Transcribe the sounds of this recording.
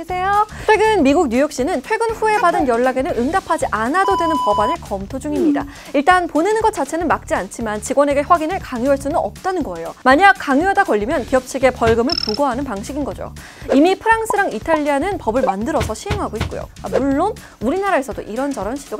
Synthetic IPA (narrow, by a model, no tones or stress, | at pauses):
sʰe̞jot͡ɕʰwe̞ɡɯnmiɡuɡ̚ɲujʌk̚ɕ͈inɯnt͡ɕʰwe̞ɡɯnɸue̞badɯnjʌɭːaɡe̞nɯnɯŋdapʰad͡ʑiʔanadodwe̞nɯnpʌbane̞kʌmtʰod͡ʑuŋimɲida | iɭt͈anponenɡʌt̚t͡ɕ͈at͡ɕʰe̞nɯnmak̚t͡ɕ͈iant͡ɕʰimant͡ɕiɡwʌne̞ɡe̞ɸwaɡinɯɭkaŋjuɦaɭs͈unɯnʌ̰p̚t͈anɯnɡʌe̞jomaɲak̚k͈aŋjuɦadakʌʎːimjʌnkijʌp̚t͡ɕʰiɡe̞pʌɭɡɯmɯɭpuɡʌɦanɯnpaŋɕʰiɡinɡʌd͡ʑo̰ | imipʰɯɾaŋs͈ʰɯɾaŋitʰaʎːianɯnpʌbɯɭmandɯɾʌsʰʌɕʰiɦeŋɦaɡoit̚k͈o̰jo̰amuɭːon | uɾinaɾaesʰʌdoʔiɾʌnd͡ʑʌɾʌnɕʰidoɡ